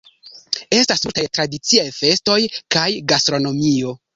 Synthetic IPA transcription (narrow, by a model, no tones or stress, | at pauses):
e̞stasultajtɾadit͡siajfe̞sto̞jkajɡastɾo̞no̞mio̞